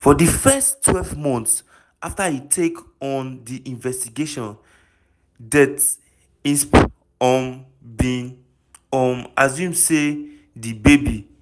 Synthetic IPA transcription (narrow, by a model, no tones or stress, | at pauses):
fɔdifɛstʰwɛlvmɔ̃nts | aftahitʰekɔ̃ndiʔĩnvɛstiɡeʃɔ̃n | dɛt | ĩnsp | ɔ̃n | bĩn | ɔ̃nazjũmse | dibebi